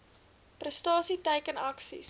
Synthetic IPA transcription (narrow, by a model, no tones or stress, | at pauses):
prəstɑːsitɛjkənɐksḭs